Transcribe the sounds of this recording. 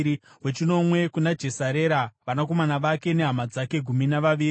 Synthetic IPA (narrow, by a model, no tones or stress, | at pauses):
wet͡ʃino̞mwe̞kunad͡ʒe̞saɾe̞ɾaʋanak̬o̞manaʋake̞ne̞ɦamad͡zake̞ɡʱuminaʋaʋiːi